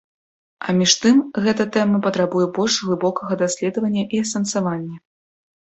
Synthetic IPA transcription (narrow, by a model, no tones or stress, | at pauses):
ɐmʲiʂt̪ɨmɣɛt̪ɐt̪ɛmɐpɐt̪ɾabujɛbɔlʲʂvlˠɨbɔkɐɣɐd̪asʲlʲɛd̪ɐvɐnʲːɐʔiɐsɐnsavanʲːɐ